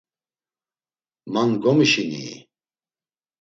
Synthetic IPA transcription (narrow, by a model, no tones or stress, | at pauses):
manɡɔmiʃinḭː